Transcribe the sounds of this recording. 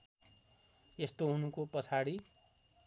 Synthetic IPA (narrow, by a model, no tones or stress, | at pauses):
est̪oɦunukopʌt͡sʰaɽi